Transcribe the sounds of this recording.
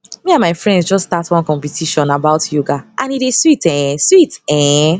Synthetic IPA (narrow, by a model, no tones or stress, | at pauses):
miãnmaɪfɹɛ̃ndsd͡ʒɔstatwɔ̃nkɔ̃mpɛtʰiʃɔ̃nabaʊtjuɡaʔãniɾeswitɛ̃switɛ̃